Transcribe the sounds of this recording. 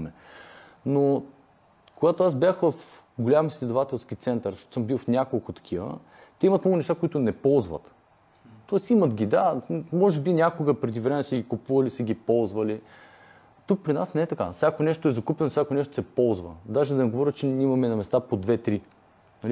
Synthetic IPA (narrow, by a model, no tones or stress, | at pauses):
mɛ | no | koɡat̪oasbʲjaxvɐf | ɡolʲamislʲɛd̪ʊvat̪ɛlˠskʲit̪sɛnt̪əɾʃt̪o̥to̥səmbilˠfnʲakolˠkʊt̪ɐ̥k̟ʲʰivə̰ | t̪ɛimɐt̪nɔɡʊnɛʃt̪akoʊit̪ʊnɛpɔlˠzvə̰t̪ | t̪ɔɛsimɐt̪ɡʲid̪amɔʒɛbinʲakoɡəpɾɛd̪ivɾɛmɛsɛɡʲikupuvɐlisɛɡʲipɔlˠzvəli | t̪uk̚pɾinasnɛɛt̪ɐka̰fsʲakonɛʃt̪oɛzɐkupʲɛnosʲakonɛʃt̪o̥sɛpɔlˠzvə̰d̪aʒɛd̪ɐnɛɡovɔɾʲət͡ʃɛimɐmɛnɐmɛst̪apod̪vɛt̪ɾi | nɐli